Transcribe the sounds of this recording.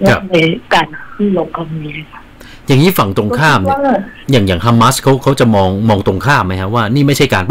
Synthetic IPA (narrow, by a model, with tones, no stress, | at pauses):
na˦˩a˧kaː˧nkʰɯː˥˩lo˦˥p̚ka˧˩ni˦˥a˧˩kʰa˦˥ | ja˨˩ŋːiː˦˥fa˨˩ŋt̪ɾo˧ŋkʰaː˥˩mjaː˨˩ŋjaː˨˩ŋɦa˧mːa˦˥skʰa˦˥wkʰa˦˥wt͡ɕa˨˩mɔː˧ŋmɔː˧ŋt̪ɾo˧ŋkʰaː˥˩mmːa˦˥jkʰa˦˥waː˥˩niː˥˩ma˥˩jt͡ɕʰa˥˩jkaː˧np